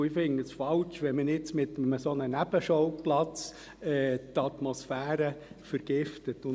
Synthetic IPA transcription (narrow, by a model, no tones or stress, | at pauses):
ɪfɪŋəsfɑlt͡ʃʋɛnmənɪt͡smɪt̪əməsonənæb̥əʃɔʊplɑt͡s | ɛːtɑtmɔsfæːɾəfəɾɡ̥ɪftətʊ